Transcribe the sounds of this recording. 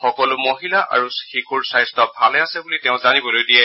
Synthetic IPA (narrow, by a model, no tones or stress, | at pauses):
xɔkɔlʊmoɦilaʔʔa̰ɹuxikuɹsajztɔbʱalɛasɛbulitɛʊ̃zanibɔlojdijɛ